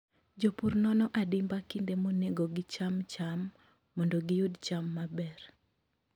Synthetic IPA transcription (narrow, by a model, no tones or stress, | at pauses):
d͡ʒopurnɔnɔʔadɪmbakindemoneɡoɡɪt͡ʃamt͡ʃamː | ɔndoɡɪjudt͡ʃamːabɛr